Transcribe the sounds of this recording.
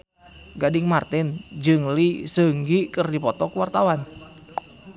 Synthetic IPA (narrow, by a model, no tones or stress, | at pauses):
ɡadɪŋmart̪ɪnd͡ʒɨŋlisəŋɡikərdipɔt̪ɔkəwart̪awan